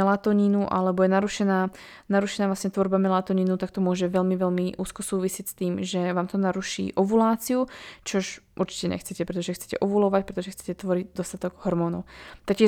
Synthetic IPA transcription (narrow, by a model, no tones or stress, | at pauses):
ɛlat̪ɔɲinuʔa̰lɛbɔjɛnaɾuʃɛnaː | naɾuʃɛnaːʋlasɲɛt̪ʋɔɾbamɛlat̪ɔɲinut̪ak̚t̪ɔmʊɔʒɛʋɛlmiʋɛlmiʔuːskɔsuːʋisɪɛcst̪iːmʒɛʋaːmt̪ɔnaɾuʃḭːʔɔʋulaːt͡siut͡ʃɔʃʔuɾt͡ʃi̥cɛɲɛ̰xt͡sɛcɛpɾɛt̪ɔʒɛxt͡sɛ̥cɛ̰ʔɔʋulɔʋac̚pɾɛt̪ɔʒɛxt͡sɛ̥cɛt̪ʋɔɾiɟd̪ɔst̪at̪ɔɡ̥ɦɔɾmɔːnɔ̰ʊt̪akcʲɪɛ